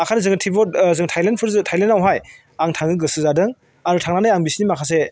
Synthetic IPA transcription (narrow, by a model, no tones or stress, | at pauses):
akʰanɯzɯŋɯtʰibɔzɯŋtʰajlent̚pʰɯɾzɯtʰajlentawɦaj | aŋtʰaŋɯɡɯsɯzadɯŋ | aɾutʰaŋnanɯjaŋbisinimakʰas̬e